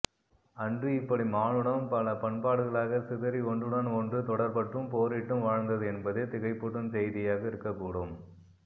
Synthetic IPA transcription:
ɐɳɖɯɪpːɐɽimaːnɯɽɐmpɐɭɐpɐɳpaːɽɯɣɐɭaːɣɐsɪðɐɾiɔɳɖɯɽɐnɔndrɯt̪ɔɽɐɾpɐʈːɯmpoːɾɪʈːɯmʋaːɻnd̪ɐðɯɛnbɐðet̪ɪɣɐɪpːɔɽɯnsɛjðɪjaːɣɐɪɾɯkːɐpːuːɽɯm

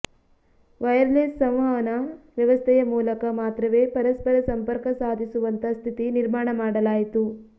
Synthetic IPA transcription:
ʋɐjɐɾleːssɐ̃mʋaːʋɐnɐʋjɐʋɐst̪ʰɛjɐmuːlɐkɐmaːt̪ɾɐʋeːpɐɾɐspɐɾɐsɐmpɐɾkɐsaːd̪ʱisuʋɐnt̪ɐst̪ʰit̪iniɾmaːɳɐmaːɽɐlaːjit̪u

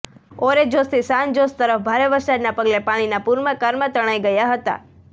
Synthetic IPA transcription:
oɾed͡ʒost̪ʰisãnd͡ʒost̪əɾəfbʱaɾeʋəɾsad̪napəɡlepaɽ̃inapuɾməkaɾmãt̪əɽ̃ajɡəjaɦət̪a̰

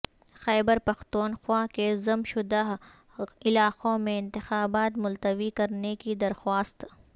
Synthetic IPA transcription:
xɛːbəɾpɐxt̪uːnxwakezɐmʃʊd̪aɦ | ɪlaːqõmẽɪ̃nt̪ɪxaːbaːt̪mʊlt̪əʋikɐɾnekid̪ɐɾxwaːst̪

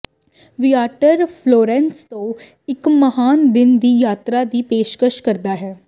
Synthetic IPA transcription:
ʋijaːʈəɾpʰloːɾɛ̃ːnst̪õː | ɪkməɦaːnd̪ɪnd̪iːjaːt̪ɾaːd̪iːpeːʃkəʃkəɾd̪aːɦɛː

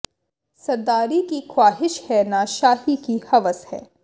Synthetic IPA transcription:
sɐɾd̪aːɾikixwaːɦɪʃhɛnaʃaːɦikihɐʋəshɛ̰ː

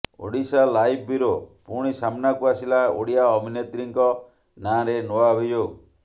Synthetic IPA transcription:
o̰ɽisalajb̚biɾopuɽ̃isamnakuasilao̰ɽijaɔbʱinet̪ɾiŋkɔ | nãɾenoabʱid͡ʒo

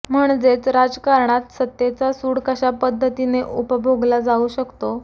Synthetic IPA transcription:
m̤əɳd͡zet͡sɾad͡zkaɾɳat̪sət̪jet͡sasuːɽkəɕapəd̪ʱːət̪ineʔupəbʱoɡlad͡zauɕəkt̪o

